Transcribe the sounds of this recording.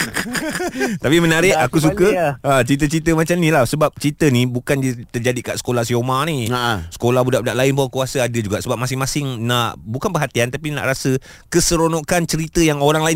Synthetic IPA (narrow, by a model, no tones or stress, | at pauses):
t̪apimə̃naɾɪʔakus̬ukəat͡ʃɾit̪̬ət͡ʃit̪̬əmat͡ʃamnilahsəbap̚t͡ʃɾit̪ənibukandət̪ərd͡ʒadikaʔsə̥kolahsiomaniaʔsə̥kolahbudaʔbudaʔlaɪnpakuasəadəd͡ʒuɡaʔsəbap̚mãsɪŋmãsɪŋnaʔbukanpəɦat̪iant̪apina̰ʔɾasə | kəsəɾonɔkant͡ʃəɾit̪əjaŋoɾaŋlaɪ